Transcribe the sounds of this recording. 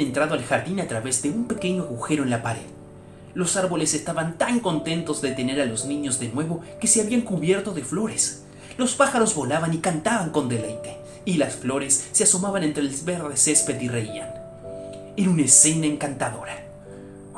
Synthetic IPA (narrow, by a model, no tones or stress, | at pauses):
ent̪ɾaðo̞alxaɾðinat̪ɾaβe̞zðe̞umpe̞ke̞ɲoaɣuxe̞ɾo̞e̞nlapaɾe̞̰ð | lo̞saɾβo̞le̞se̞st̪aβant̪aŋko̞nt̪e̞nt̪o̞zðet̪ene̞ɾalo̞znĩɲo̞zðe̞nwe̞βo̞ke̞se̞aβiaŋkuβje̞ɾt̪o̞ðe̞flo̞ɾe̞s | lo̞spaxaɾo̞zβo̞laβanikant̪aβaŋko̞nd̪e̞lejt̪e̞ | ilasflo̞ɾe̞sːeaso̞maβane̞nt̪ɾeːlβeɾðese̞spe̞ðireia̰n | eɾunaese̞naeŋkant̪aðo̞ɾa